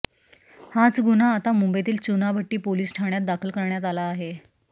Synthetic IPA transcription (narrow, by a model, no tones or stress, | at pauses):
hat͡sɡunaːt̪amumbet̪̬iːlt͡sunabʱəʈːiːpoliːsʈʰaɳjat̪̚d̪akʰəlkəɾɳjat̪alaːɦe